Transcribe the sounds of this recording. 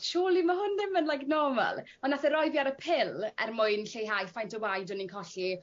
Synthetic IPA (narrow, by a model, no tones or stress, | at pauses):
ʃuːlˠimaɦʊnðɪmənlajknɔma̰lˠ | ɔnːaθəɾɔjvjaɾəpʰɪlɛ̰rmʊɨnɬejɦajfajntʰɔwajdɔninkʰɔɬi